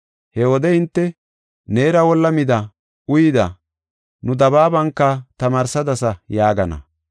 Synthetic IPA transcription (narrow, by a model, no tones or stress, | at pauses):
hɛwɔd̪ɛhɪnt̪ːɛ | ne̞ːɾɐwɔlːɐmɪd̪ɐ | ʊjɪd̪ɐ̰ | nʊd̪ɐbaːbɐŋkːɐt̪ɐmaːɾsɐd̪ɐsɐjaːɡɐnɐ̰